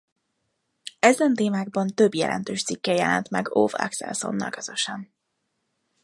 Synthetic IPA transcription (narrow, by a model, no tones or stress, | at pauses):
ɛzɛnt̪eːmaːɡ̚bɒnt̪øbjɛlʔɛ̰nt̪øːʃt̪sikːɛjɛlɛnt̪mɛɡo̰vɛ̰ksɛ̰lso̞̰nːɒ̰lkøz̥øʃɛn